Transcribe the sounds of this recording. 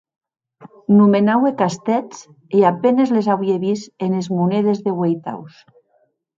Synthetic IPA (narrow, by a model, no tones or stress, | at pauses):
numenawekast̪ɛt͡s | eapenezlezawieβisenezmuneð̞ezðeɣwejt̪a̰ws